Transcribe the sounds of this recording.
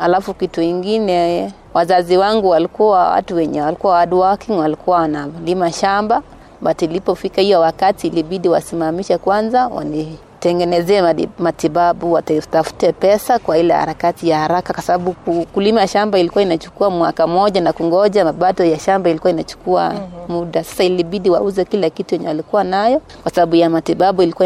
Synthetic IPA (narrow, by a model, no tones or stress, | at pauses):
halafukituiŋɡinɛ | wʔazaziwaŋɡuwalikuwawa̰tuwɛɲɛwalikuawaɗuwaakinwalikuawanalimaʃamba | batilipɔfikahijɔwakatiːliɓiɗiwa̰simamiʃakwanzawa̰ni | tɛŋɡɛnɛzɛːmatiɓaɓuwatɛtafu̥tɛpɛsakwailɛha̰ɾakatijahaɾakakwasabaɓukukulimaʃambailikuwainat͡ʃu̥kuamwakam̩ɔʄanakuŋɡɔʄamaɓatɔjaʃambailikuwainat͡ʃu̥kua̰muɗasḁsailiɓiɗiwa̰uzɛkilakitujɛɲɛwalikuwanajɔ | kwasabaɓujamatiɓaɓuilikua